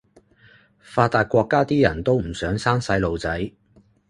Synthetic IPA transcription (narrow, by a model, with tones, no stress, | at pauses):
faː˧t̚t̪aː˨˧t̚kʷɔː˧kːaː˥t̪iː˥jɐ˨˩nt̪o˥wm̩˨˩sœː˨˥ŋsaː˥ŋsɐ˨˧jlo˨˧wt͡sɐ˨˥j